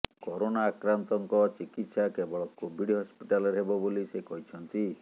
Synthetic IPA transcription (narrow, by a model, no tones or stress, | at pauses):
kɔɾonaːkɾant̪ɔŋkɔt͡ʃikit̪sakebɔɭɔkobʱiɖɦɔspi̥ʈalɔɾɦebɔbolisekɔɦit͡ʃʰɔnt̪i